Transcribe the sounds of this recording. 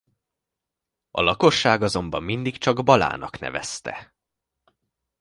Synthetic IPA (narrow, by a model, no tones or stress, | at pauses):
ɒlɒko̞ʃːaːɡɒzo̞mbɒmːind̪ikt͡ʃɒɡbɒla̰ːnɒknɛ̰vɛ̰st̪ɛ̰